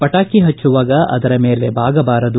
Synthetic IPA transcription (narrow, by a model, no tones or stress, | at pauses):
pɐʈaːkiɦɐt͡ʃːuʋaːɡɐɐ̰d̪ɐɾɐmeːle̞bʱaːɡɐbaːɾɐd̪u